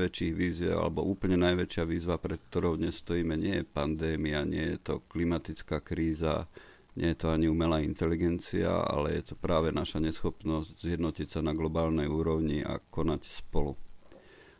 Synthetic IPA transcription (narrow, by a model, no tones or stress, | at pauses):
ʋɛt͡ʃiːɣʋiːzɛ̰a̰lɛbɔ̰ʔuːpl̩ɲɛnajʋɛt͡ʃɪaʋiːzʋapɾɛt̪̚k̚t̪ɔɾɔʊd̪ɲɛsːt̪ɔjiːmɛɲɪɛjɛpand̪ɛːmiaɲɪɛ̰jɛt̪ɔklimat̪it͡skaːkɾiːza | ɲɛjɛt̪ɔaɲiuːmɛlaːint̪ɛliɡɛnt͡sia̰a̰lɛ̰jɛt̪ɔpɾaːʋɛnaʃaɲɛsxɔpnɔzɟzɪjɛd̪nɔcicsanaɡlɔbaːlnɛjuːɾɔʊɲiʔa̰kɔnacspɔlu